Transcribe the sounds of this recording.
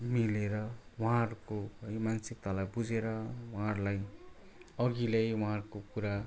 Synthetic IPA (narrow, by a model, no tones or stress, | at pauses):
mileɾʌwʌaʌɾukoʌjmansik̚t̪alajbud͡zʱeɾʌwaɦaʌɾlaj | ʌɡilejwaɦaɾukokuɾa